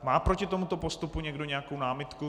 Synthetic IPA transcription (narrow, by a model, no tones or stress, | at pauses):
maːpɾo̞cɪt̪o̞mut̪o̞po̞st̪upuɲɛɡdo̞ɲɛakownaːmɪt̪ku